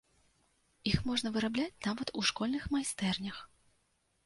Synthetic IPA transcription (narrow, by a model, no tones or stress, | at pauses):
ixmɔʐnɐvɨɾablʲat͡sʲnavɐt̪uʂkɔlʲnɨxmajst̪ɛrnʲɐx